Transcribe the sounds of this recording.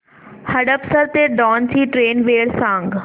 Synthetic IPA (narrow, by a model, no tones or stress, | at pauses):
həɖəpsəɾt̪eːɖɔːnsiːʈɾeːnʋeːɽsãŋɡ